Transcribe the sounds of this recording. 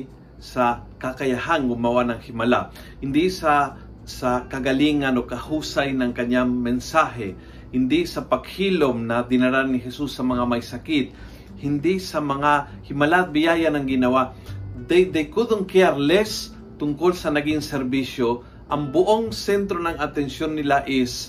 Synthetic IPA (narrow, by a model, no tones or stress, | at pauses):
sɐkakɐjaɦaŋɡʊmawanɐŋhɪmɐla̰ | hɪnd̪isɐ | sɐkɐɡɐliŋanokɐhuːsajnɐŋkɐɲaŋmɛnsaɦɛ | hɪnd̪isɐpɐɡhilomnɐd̪ɪnaɾanːɪɦɛsusːɐmɐŋamɐjsɐkit̪̚ | hɪnd̪isɐmɐŋa | hɪmalat̪̚bɪjaːjanɐŋɡɪnɐwad̪ajd̪ɐjkud̪oŋkɪaɾlɛs | t̪ʊŋkolsɐnɐɡiŋsɛɾbisjo | ʔɐŋbʊʔoŋsɛnt̪ɾonɐŋɐt̪ɛnsjonːɪlaʔɛs